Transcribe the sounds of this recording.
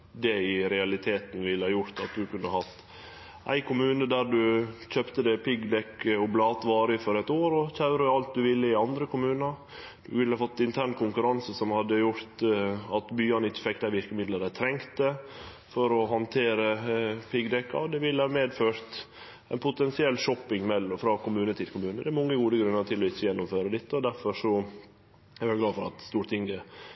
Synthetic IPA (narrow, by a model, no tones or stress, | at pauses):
d̪ɛɪɾɛɑlɪt̪ʰeːt̪n̩ʋɪlːəhɑːjʊɾt̪ɑt̪̚d̪ʉkʉnːəhɑt̪ː | ʔæ̰ɪkʰʊmʉːnəd̪æɾdʉçøːpt̪əd̪ɛpɪɡd̪ɛkːəɔblɑːt̪ʋɑːɾəəfɔɾɛt̪oːɾɔçɑʉɾəɑlt̪̚d̪ʉʋɪlːəɪɑnd̪ɾəkʰʊmʉːnɑɾ | d̪ʉʋɪlːəhɑfɔt̪ːɪnt̪ʰæɳkʰʊŋkʉɾɑnsəsɔmhɑd̪ːəjʊɾt̪ɑt̪byːɑnɪçːə̥fɛkːd̪æɪʋɪɾkəmɪd̪ləɾæɪt̪ʰɾɛŋkt̪ə | fɔɾɔɦɑnt̪ʰeːɾəpʰɪɡd̪ɛkːɑ̰ɔd̪ɛʋɪlːəɑmeːd̪føːɾt̪ | ɛɪnpʰʊt̪ɛnsɪɛlːʂɔpːɪŋmɛlːɔfɾɑːkʊmʉːnət̪ʰɪlkʰʊmʉːnəd̪ɛːɾmɔŋːəɡuːd̪əɡɾʉnːəɾt̪ʰɪlɔɪçːəjɛnːʊmføːɾəd̪ɪt̪ːəɔd̪æɾfɔʂɔ | ɛɾʋɛlɡlɑːfɔɾɑt̪st̪uːɾt̪ɪŋɡə